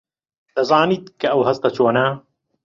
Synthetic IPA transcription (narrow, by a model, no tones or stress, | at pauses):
t̪ɐzˤɑːniːt̪̚kɐʔɐwɦɐst̪ɐt͡ʃoːnaː